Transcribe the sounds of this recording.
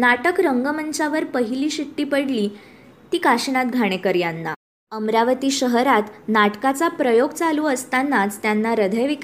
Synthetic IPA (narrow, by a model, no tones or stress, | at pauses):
naʈəkɾəŋɡəmənt͡ɕaʋəɾpəɦiliːɕiʈːiːpəɽliː | t̪iːkaɕɳat̪̚ɡʱaɽ̃ekəɾjanːa | əmɾaʋət̪iːɕəɦɾat̪naʈkat͡sapɾəjoɡt͡saluːəst̪anːat͡st̪janːaɾəd̪ʱəjʋik